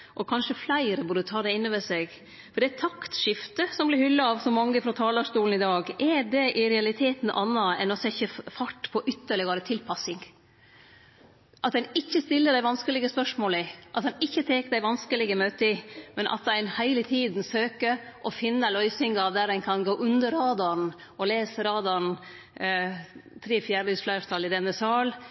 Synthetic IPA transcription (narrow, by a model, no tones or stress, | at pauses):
ʔɔkʰɑnʂəflæɪɾəbʊdət̪ʰɑːd̪ɛɪnːəʋɛsɛɡ | fɔɖɛæt̪ʰɑkt̪ʃɪft̪əsɔmblɪɾhʏlːɑɑʋsɔmɑŋːəfɾɑt̪ʰɑːld̪ɑʂt̪uːln̩ɪd̪ɑːɡʔɛɖɛʔɪɾɛɑlɪt̪ʰeːt̪n̩ʔɑ̰nːɑɛ̰nɔsɛçəfɑʈːpʰɔʔʏt̪ːəɭɪɡɑɾət̪ʰɪlpʰɑsɪŋ | ʔɑt̪d̪ɛnɪçːəst̪ɪlːəɖ̪æɪʋɑnskəlɪɡəspœʂmoːlɪʔɑt̪d̪ɛnɪçːət̪ʰeːkəd̪æɪʋɑnskəlɪɡəmøːt̪əɪmɛnʔɑ̰t̪̚d̪æɪnhæɪlət̪ʰiːd̪n̩søːkəʔɔfɪnːəlœʏsɪŋɑʋd̪æɾæɪnkʰɑnɡoːʔʉnd̪əɾːɑːd̪ɑn | ɔleːsəɾɑːd̪ɑn | t̪ʰɾeːfjæːɾlyːsflœɾt̪ʰɑlːɪd̪ɛnːəsɑːl